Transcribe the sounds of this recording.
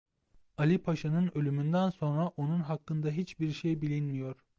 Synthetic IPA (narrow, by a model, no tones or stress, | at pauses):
alʲipʰaʃanɯnø̞lʲymynd̪ænso̞nɾaʔo̞nunɦakːɯnd̪aɦit͡ʃbiɾʃejbilʲinmijo̞ɾ̥